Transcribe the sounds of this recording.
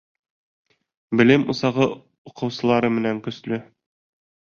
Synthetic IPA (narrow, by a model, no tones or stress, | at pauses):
bɘ̆lɘmŭsɑʁɤ | uqɤ̆wsɤ̆lˠɑɾɤmɘ̆næŋkɵ̆slɵ